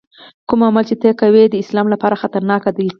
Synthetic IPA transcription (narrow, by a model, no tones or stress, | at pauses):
kumamalt͡ʃet̪ekawed̪əɪslɑmlapɑɾaxat̪aɾnɑkad̪a